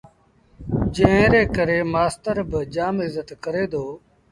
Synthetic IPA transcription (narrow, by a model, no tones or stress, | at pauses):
d͡ʒẽːẽːɾeːkəɾeːmaːst̪əɾbəd͡ʒaːmɪzət̪kəɾeːd̪oː